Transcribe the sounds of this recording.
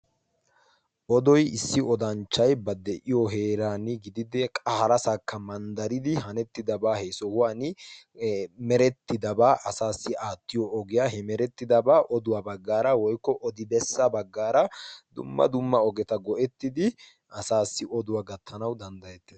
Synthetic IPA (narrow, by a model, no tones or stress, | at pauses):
ʔɔd̪ɔjɪsːɪɔd̪ɐnt͡ʃːɐjbɐd̪ːɛʔɪjɔɦeːɾaːnɪɡɪd̪ɪd̪ɛkʼɐhɐɾɐsɐkːɐmɐnd̪ɐɾɪd̪ɪɦɐnɛt̪ːɪd̪ɐbaːhɛsɔhʊwaːnɪ | mɛɾɛt̪ːɪd̪ɐbaːʔɐsaːsːɪaːt̪ːɪjɔɔɡɪjaːɦɛmɛɾɛt̪ːɪd̪ɐbaːʔɔd̪ʊwaːbɐɡːaːɾɐwɔjkːɔʔɔd̪ɪbɛsːɐbɐɡːaːɾɐd̪ʊ̰mːɐ̰d̪ʊmːɐɔɡɛt̪ɐɡɔʔɛt̪ːɪd̪ɪ | ʔɐsaːsːɪɔd̪ʊwaːɡɐt̪ʰːɐnɐwd̪ɐnd̪ɐjɛt̪ːeː